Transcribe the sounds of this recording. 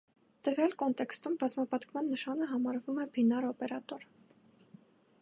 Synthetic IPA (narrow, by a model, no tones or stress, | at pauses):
t̪əvjɑlkɔnt̪ɛkst̪umbɑzmɑpɑt̪kʰmɑnːəʃɑnəɦɑmɑɾvumɛbinɑɾɔpɛɾɑt̪ɔɾ